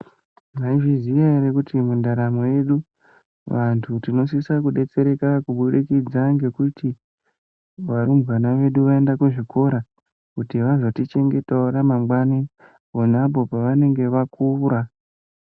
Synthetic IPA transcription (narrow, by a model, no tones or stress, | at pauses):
maiʐizijaeɾekutimundaɾamoje̞ɗu | ʋantʰutino̞s̬isakuɗe̞t͡se̞ɾe̞kakuɓuɗekid͡zaŋɡe̞kuti | ʋaɾumɣanaʋe̞ɗuʋae̞ndakeʐiko̞ɾa | kutiʋaʐotit͡ʃe̞ŋɡe̞taoɾamamɡwani | on̤apo̞paʋane̞ŋɡe̞ʋakʰuːɾa